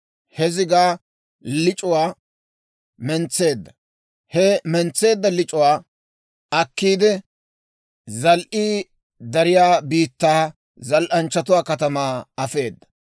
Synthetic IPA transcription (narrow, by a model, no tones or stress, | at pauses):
hɛzɪɡaː | lɪt͡ʃʼʊwaː | mɛnt͡sːe̞ːd̪ːɐ | hɛmɛnt͡sːe̞ːd̪ːɐlɪt͡ʃʼʊwaː | ɐkːiːd̪ɛ | zɐlʔiː | d̪ɐɾɪjaːbiːt̪ːaː | zɐlʔɐnt͡ʃːɐt̪̬ʊwaːkɐt̪ɐmaːɐfe̞ːd̪ːɐ̥